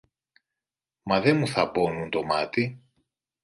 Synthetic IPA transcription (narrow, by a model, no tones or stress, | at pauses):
mɐðenmuθɐpo̞nunt̪o̞mɐt̪i